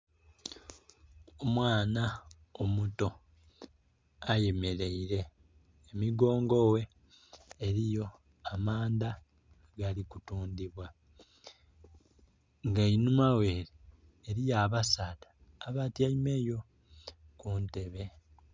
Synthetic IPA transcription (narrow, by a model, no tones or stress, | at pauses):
omwaːna | omuto̞ | aje̞me̞ɾe̞iɾe̞ː | miɡo̞ːŋɡo̞we̞ː | ɾijo̞ | amaːnda | ɡalikutuːndiβwa | ŋɡainumawe̞ːɾiː | ɾijaːβasatḁː | βatjaime̞jo̞ | kunte̞βe̞